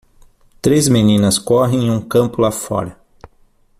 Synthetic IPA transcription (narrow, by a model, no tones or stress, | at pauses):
t̪ɾezmenĩnɐskɔɦẽj̃ũkɐ̃mpʊlafɔ̰ɾɐ